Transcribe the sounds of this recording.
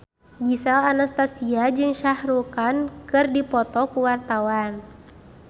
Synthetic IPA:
ɡisalanast̪asiad͡ʒɨŋʃahɾukankɨrdipɔt̪ɔkuwart̪awan

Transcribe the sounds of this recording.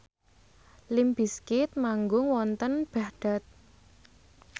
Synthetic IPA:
limb̥iskɪt̪̚maŋɡʊŋwɔnt̪ənb̥a̤hɖ̪̥a̤t̪̚

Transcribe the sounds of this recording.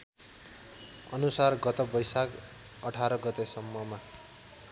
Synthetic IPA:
ʌnusarɡʌt̪ʌbʌjsak | ʌʈʰaɾʌɡʌt̪esʌmːʌma

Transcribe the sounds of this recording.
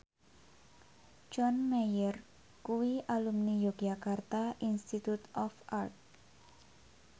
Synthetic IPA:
d͡ʒɔnmejər | kuwiʔalumnijoɡ̥akart̪aʔinst̪it̪ut̪ɔfʔart̪̚

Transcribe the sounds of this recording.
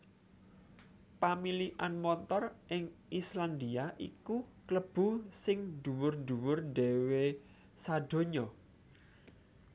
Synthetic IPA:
pamiliʔanmɔnt̪ɔrʔɪŋisland̪iaʔḭkukləb̥ṳsɪŋd̪̥uwʊrd̪uwʊrɖe̤we | saɖ̥o̤ɲɔ

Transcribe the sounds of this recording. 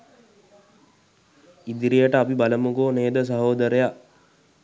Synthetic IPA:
id̪iɾijəʈəapibaləmuɡoːneːd̪əs̬əɦoːd̪əɾeja

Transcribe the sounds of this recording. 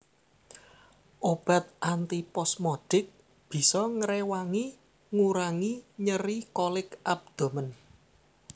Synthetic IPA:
ʔob̥a̤t̪̚ʔant̪ipɔsmɔɖ̥ɪk̚ | b̥i̤sɔŋəɾewaŋi | ŋuɾaŋiɲəɾikolɪkʔab̚d̪̥o̤mən

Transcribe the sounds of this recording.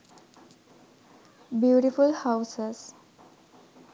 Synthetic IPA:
bjuːʈifulhaʊses

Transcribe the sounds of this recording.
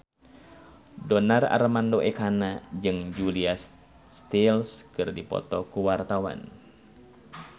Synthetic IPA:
dɔnara̰rmandoʔɛkanad͡ʒɨŋd͡ʒuliasː | t̪ilskɨrdipɔ̰t̪ɔkuwart̪awa̰n

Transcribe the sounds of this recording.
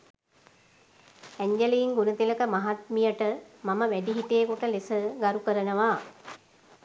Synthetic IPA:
æɲd͡ʒeliːŋɡunət̪iləkəmaɦat̪̚mijəʈəmaməʋæɖiɦiʈ̪ejːkuʈəlesəɡaɾukəɾənəʋa

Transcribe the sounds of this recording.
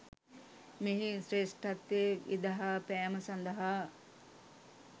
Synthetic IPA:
miɦisɾeːsʈɐt̪ːeid̪ɐɦapæːməsand̪ɐɦa

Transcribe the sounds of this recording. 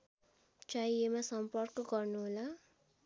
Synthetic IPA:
t͡ʃajemasʌmpʌrkɡʌrnuɦola

